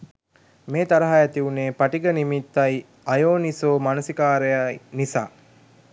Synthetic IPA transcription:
meːt̪aɾɐɦajæt̪iuneːpaʈiɡənimit̪ːaj | ajoːnisoːmanusikaːɾejanisa̰ː

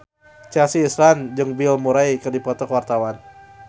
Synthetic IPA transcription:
t͡ʃasiːsland͡ʒɨŋbilmuɾaikɨrdipɔt̪ɔkəwart̪awan

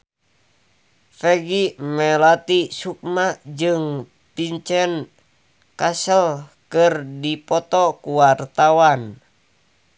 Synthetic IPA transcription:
fɛɡimɛlat̪isuk̚mad͡ʒɨŋ | piɲt͡ʃɛn | kasəlkɨrdipɔt̪ɔkuwart̪awan

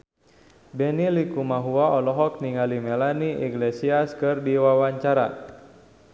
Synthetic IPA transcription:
bɛnilikumaɦuaɔlɔɦɔk̚niŋalimɛlaniʔḭɡlesiaskɨrdiwawaɲt͡ʃaɾa̰

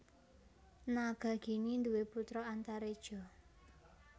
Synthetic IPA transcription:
naɡ̥ä̤ɡ̥i̤nind̪uweput̪ɾɔant̪aɾed̥ʒ̥ɔ̤

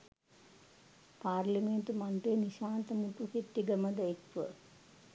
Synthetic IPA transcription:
paːrliment̪umaɳʈeniʃaːnt̪əmuʈ̪useʈːiɡəməd̪əekʋə

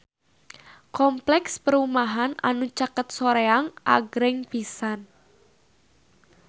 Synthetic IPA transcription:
kɔmplɛkspəɾumaɦana̰nut͡ʃakət̪̚soɾeaŋʔa̰ɡɾɪŋpisan

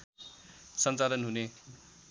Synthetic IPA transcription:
sʌnt͡salʌnɦune

